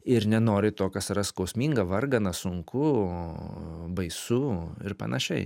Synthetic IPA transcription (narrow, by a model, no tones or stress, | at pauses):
ɪɾnʲɛnoːɾʲɪt̪oːkɐsɪɾɐskɐʊsʲmʲiːŋɡɐʋɐrɡɐnɐsʊŋkʊo | bɐɪsuɪɾpɐ̰nɐʃʲɛɪ